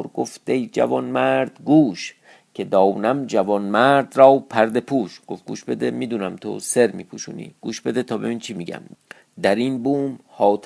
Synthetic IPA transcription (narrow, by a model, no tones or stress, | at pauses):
ɾɡo̰fd̪ejd͡ʒæ̰vɒnmæɾd̪ɡuːʃ | cʰed̪ɒːwnæmd͡ʒævɒnmæɾd̪ɾɒːwpʰæɾd̪e̞pʰuːʃɡ̥oft̚ɡ̥ṵːʃbe̞d̪emiːd̪uːnæmt̪ʰo̰seɾmḭːpʰuʃuːnḭːɡ̥uːʃbe̞d̪et̪ʰɒːbḛmiːnt͡ʃʰimiːɟæ̰m | d̪æɾinbuːmhɒːt̪ʰ